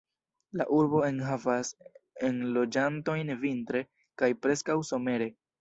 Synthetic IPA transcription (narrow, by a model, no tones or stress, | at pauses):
la̰ʔuɾbo̞e̞nɦavase̞nlo̞d͡ʒanto̞jnvintɾe̞ | kajpɾe̞skawso̞me̞ɾe̞